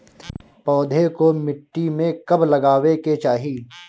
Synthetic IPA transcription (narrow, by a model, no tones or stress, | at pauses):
pɔːd̪ʱekomɪʈːimẽkɐblɐɡaːweket͡ʃaːɦiː